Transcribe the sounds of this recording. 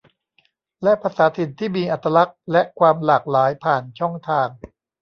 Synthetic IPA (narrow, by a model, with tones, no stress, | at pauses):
lɛ˦˥ʔpʰaː˧saː˩˦t̪ʰi˨˩nt̪ʰiː˥˩miː˧ʔa˨˩t̪ːa˧la˦˥k̚lɛ˦˥kʰwaː˧mlaː˨˩k̚laː˩˦jpʰaː˨˩nt͡ɕʰɔ˥˩ŋt̪ʰaː˧ŋ